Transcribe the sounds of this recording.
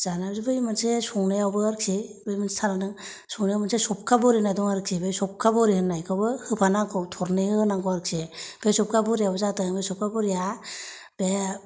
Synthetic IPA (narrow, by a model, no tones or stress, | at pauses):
z̥anabzibɯjmansesɔŋnajawbɯaɾksebɯjmansʰananɯŋ | sɔŋnijawmansʰesɔp̚kabɔɾinajdɔŋaɾksʰebesɔp̚kabɔɾihɯnːajkʰɯwbɯhɯpʰanakʰɔwtʰɔɾnehɯnaŋkɔaɾkseb̥esɔp̚kabɔɾijabɔzatajŋbesɔp̚kabɔɾija | b̥e